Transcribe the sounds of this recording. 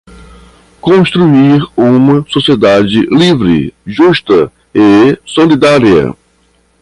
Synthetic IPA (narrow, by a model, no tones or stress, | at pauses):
kõst̪ɾuiɾũmɐsosied̪ad͡ʒɪlivɾɪ̰ʒuʃt̪ɐ | ɪsolid̪aɾiɐ̰